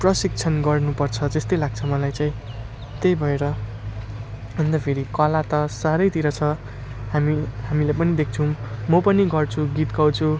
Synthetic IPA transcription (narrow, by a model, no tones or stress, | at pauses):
prʌsik̚t͡sʰʌnɡʌrnupʌrt͡sʰʌd͡zest̪ʌjlaɡ̚t͡sʰʌmʌlajt͡saĩ | t̪ejbʱʌeɾʌ | ʌnd̪ʌpʰeɾikʌlat̪ʌsaɾʌjt̪iɾʌt͡sʰʌ | hamiɦamilepʌnid̪ek̚ʰt͡sʰʌwmʌpʌniɡʌrt͡sʰuɡit̪ɡʌwt͡sʰu